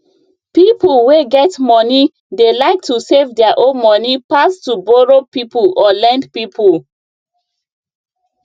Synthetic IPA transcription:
pipulweɡɛtmɔni | delaɪk̚tusevdɛaʔõnmɔnipastubɔɹopipulɔlɛ̃ndpipʰul

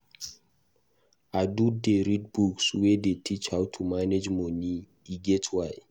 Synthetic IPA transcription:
adudeɹid̚bukswɛdetʰit͡ʃhawtʰumaned͡ʒmɔni | iɡɛtʰwaɪ

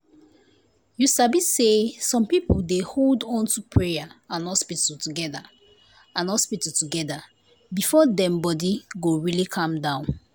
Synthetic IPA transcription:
jusabisesɔ̃mpipoldeholdɔ̃ntupʰɹeaãnhɔspitaltuɡɛda | ãnhɔspitutuɡɛda | bifɔdɛ̃mbɔdiɡoɹilikʰãmdãʊ̃n

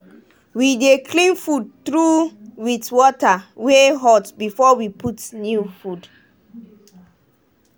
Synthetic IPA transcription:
widekʰlĩnfud̚tɹuwitwɔtaweɦɔtbifɔwipʰutnjufud

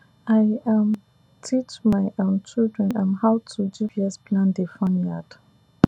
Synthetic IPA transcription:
aɪãm | tʰit͡ʃmaɪãnt͡ʃildɹɛ̃nãnhaʊtʰudiviɛsplãndefɔ̃njad

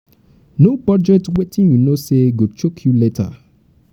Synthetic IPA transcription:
nobɔd͡ʒɛtwetʰĩnjunoseɡot͡ʃokʰjuletʰa̰

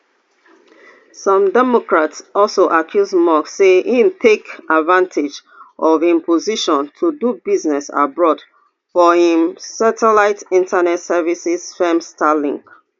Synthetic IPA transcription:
sɔ̃mdɛmokɹatsɔlsoʔakʰjuzmakseʔĩntʰekadvãntʰed͡ʒ | ʔɔvĩmpʰoziʃɔ̃ntʰudubiznɛsa̰bɹɔd | fɔhĩmsatʰɛlaɪtĩntʰanɛtsɛvisiz̥fɛmstʰalĩŋk

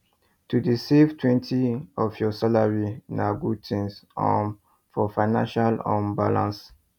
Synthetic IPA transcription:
tʰudisivtʰwɛ̃ntʰiɔvjɔsalaɹinaɡud̚tʰĩnsɔ̰̃n | fɔfaɪnã̰nʃalɔ̃mbalã̰ns

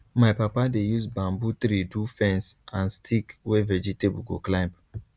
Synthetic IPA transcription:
maɪpapadejusbãmbut̪ɾidufɛ̃nsãnstʰikwevɛd͡ʒitebuɡoklãɪ̃mb

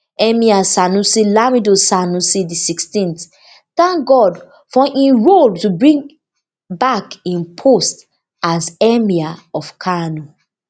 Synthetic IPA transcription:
ɛmiasanusilamidosanusidisikstĩnt | θãŋk̚ɡɔd | fɔʔĩnɹoltubɹĩŋ | bakĩnpʰost | azɛmiaɔfkʰanu

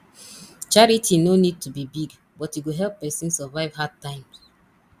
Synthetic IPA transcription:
t͡ʃaɹitʰinonid̚tʰubibiɡ | bɔtuɡoɦɛlˠpːɛsĩnsɛvaɪvɦad̚tãɪ̃m

